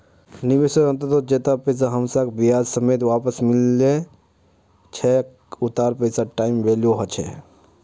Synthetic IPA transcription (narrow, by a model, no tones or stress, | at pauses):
niʋesəɾə̃nt̪ət̪od͡ʒet̪apəsaɦəmsakbijad͡ʒsəmeːt̪ʋapəsmilːe | t͡ʃʰɛk | ut̪aːɾpəsaʈaːimʋeljoɦət͡ʃʰɛ̰